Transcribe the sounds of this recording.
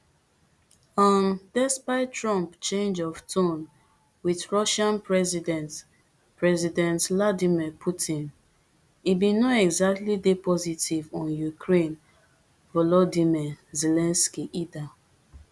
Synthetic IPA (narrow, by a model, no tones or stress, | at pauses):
ɔ̃ndɛspaɪtɹɔ̃mpt͡ʃẽnd͡ʒɔvtʰõn | wiθɹɔʃãnpɹɛzidɛ̃nt | pɹɛzidɛ̃ntladimipʰutʰĩn | ibĩnoɛɡzak̚tlidepʰɔzitʰivɔ̃njukʰɹẽn | vɔlɔdimɛzelɛ̃nskiʔida